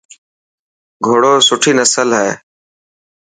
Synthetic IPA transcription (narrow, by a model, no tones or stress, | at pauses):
ɡʱoːɽoːsʊʈʰiːnəsəlɦɛː